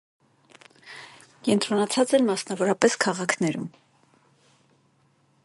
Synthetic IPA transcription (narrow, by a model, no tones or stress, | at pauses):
kɛnt̪ʰɾɔnɑt͡sʰɑt͡sɛlmɑsnɑvɔɾɑpɛskʰɑʁɑkʰnɛɾṵm